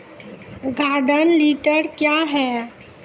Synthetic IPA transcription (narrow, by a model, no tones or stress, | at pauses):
ɡʱaːɖənliːʈəɾkjaɦɛː